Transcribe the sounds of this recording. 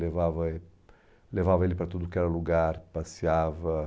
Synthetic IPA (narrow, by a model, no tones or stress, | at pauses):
levavɐe | levavɐelipɾat̪ud̪ukɛɾɐluɡaɾpasjavɐ